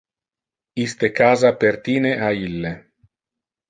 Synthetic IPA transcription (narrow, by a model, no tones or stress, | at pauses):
ist̪ekaːzapeɾt̪iːneʔailːe